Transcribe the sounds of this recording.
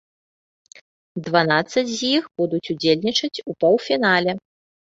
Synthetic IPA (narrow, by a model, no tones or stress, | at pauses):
d̪vanat̪sːɐd͡zʲzʲjixbud̪ut͡sʲud͡zʲelʲnʲit͡ʂɐt͡sʲupɔwfʲinalʲɛ